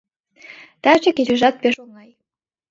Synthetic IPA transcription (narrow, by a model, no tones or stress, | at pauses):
t̪æt͡ɕĕkeɾɘ̆ʒɑt̪̚peʃoŋɑj